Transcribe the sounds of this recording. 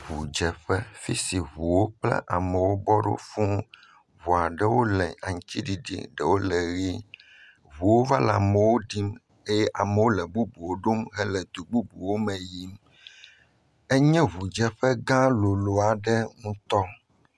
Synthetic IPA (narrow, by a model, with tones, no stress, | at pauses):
ɦu˨d͡ʒɛ˨ɸɛ˦fi˦si˨ɦu˨wo˦k͡plɛ̰˦ʔa˨mɛ˨wo˦bɔ˦ɖo̰˦fũ˦ | βu˨a˨ɖɛ˦wo˦lɛ̃˨a˨ŋ˨t͡ɕi˦ɖi˨ɖḭ˦ɖɛ˨wo˦lɛ˨ɣi˦ | βu˨wo˦va˦la˨mɛ˨wo˦ɖi˦m | e˦jɛ˦ʔa˨me˨wo˦lɛ˨ɡ͡bu˦bu˨wo˦ɖo˦mɦɛ˦lɛ˨d̪u˨ɡ͡bu˦bu˨wo˦mɛ̃˨ji˦m | ɛ˦ɲɛ̃˦βu˨d͡ʒɛ˨ɸɛ˦ɡã˦lo˨lo˨a˨ɖɛ˦ŋũ˦t̪ɔ˦